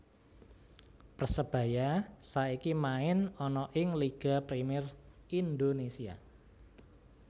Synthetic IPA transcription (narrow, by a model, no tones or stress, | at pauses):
pəsəb̥a̤jasaikimaɪnɔnɔʔɪŋliɡ̥a̤pɾimɪrind̪onesia̰